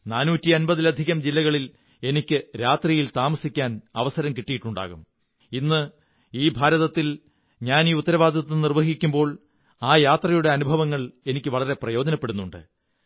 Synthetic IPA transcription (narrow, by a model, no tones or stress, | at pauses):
naːnuːtːiɐnbɐðilɐd̪ʱiɣɐmd͡ʑilːɐɣɐɭil | e̞nikʲːɨɾaːt̪rijilt̪aːmɐsikʲːaːnɐʋɐsɐɾɐmkiʈːijiʈːuɳɖa̰ːɣum | inːɨ | iːbʱaːɾɐðɐt̪ːil | ɲaːniːut̪ːɐɾɐʋaːd̪ʱɐt̪ːɨnirʋɐɦikʲːumbo̞ːɭ | aːjaːt̪rɐjuɽe̞ɐnubʱɐʋɐŋːɐɭe̞nikʲːɨʋɐɭɐɾe̞prɐjo̞ːd͡ʑɐnɐpːe̞ɽunːuɳɖɨ̰